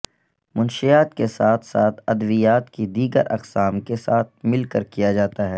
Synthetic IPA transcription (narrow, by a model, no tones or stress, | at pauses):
mʊnʃijaːt̪kesaːt̪ʰsaːt̪ʰɐd̪ʋijaːt̪kid̪iːɡə̰ɾʔɐ̰qsaːmkesaːt̪̚ʰmɪlkəɾkijad͡ʒaːt̪aɦɛː